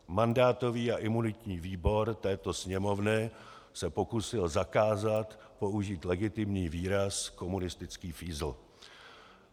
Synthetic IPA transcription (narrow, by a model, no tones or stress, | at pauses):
mandaːt̪o̞viːaʔɪmunɪt̪ɲiːviːbo̞ɾt̪ɛːt̪o̞sɲɛmo̞vnɪ | sɛpo̞kusɪlzakaːzat̪ | po̞uʒiːt̪lɛɡɪt̪ɪmɲiːviːɾasko̞munɪst̪ɪt͡skiːfiːzl̩